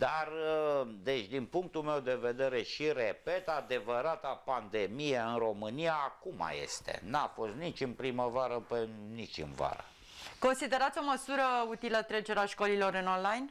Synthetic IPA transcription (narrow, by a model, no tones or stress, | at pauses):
d̪arəd̪e̞t͡ʃʲd̪inpuŋk̚t̪ulme̞wd̪e̞ve̞d̪e̞ɾe̞ʃiɾepe̞t̪ad̪e̞vəɾat̪apand̪e̞mijeɨnro̞mɨnijaːkuma̰je̞̰st̪e̞̰nafo̞st̪nit͡ʃɨnpɾiməvaɾəpenit͡ʃʲɨ̰nva̰ɾə̰ | ko̞nsid̪e̞ɾat̪sʲo̞məsuɾəut̪ilət̪ɾed͡ʒeɾeaʃko̞lilo̞ɾɨnonlajn